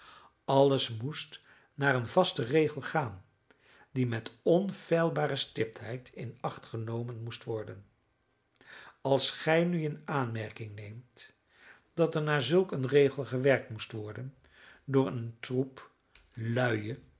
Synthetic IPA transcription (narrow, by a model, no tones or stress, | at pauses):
ɑlˠəsmust | naːɹənvɑstərejχəlˠχaːn | dimɛtɔnv̥ɛjlˠbaːɾəstɪp̚tɦɛjtʰɪnɑχtχənowmənmustʋɔɹdən | ɑlˠsχɛjnyɪnaːnmɛɹkɪŋnejmt | d̥ɑtɛɹnaːɹzɵlˠkənrejχəlˠχəʋɛɹk̚tmustʋɔɹdən | dʊːɹə̰ntrup | lœɥə